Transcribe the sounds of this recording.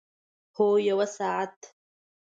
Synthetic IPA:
hoːjawasaːʕat̪ʰ

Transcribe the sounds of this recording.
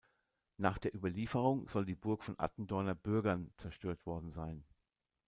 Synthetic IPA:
naːχd̥eːɐʔyːbɐliːfəʁ̞ʊŋz̥ɔldiːbʊɐkfɔnʔa̰tn̩dɔɐnɐbʏɐɡɐnt͡sɛɐʃtøːɐtv̥ɔɐdn̩zaɪn

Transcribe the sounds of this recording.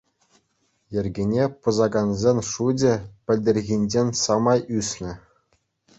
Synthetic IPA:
jɘ̆rʲɡʲinʲepɤ̆zɑɡɑnzʲenʲʂud͡ʑʲɘ̆pʲɘ̆lʲdʲerʲɣʲinʲd͡ʑenʲsɑmɑjysʲnʲɘ̆

